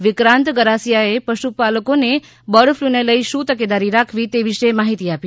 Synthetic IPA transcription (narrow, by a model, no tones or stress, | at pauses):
ʋɪkɾãnt̪ɡəɾasijaepəʃupaləkone | bəɽfluneləiʃũt̪əked̪aɾiɾakʰʋit̪eʋiʃemaɦit̪iapi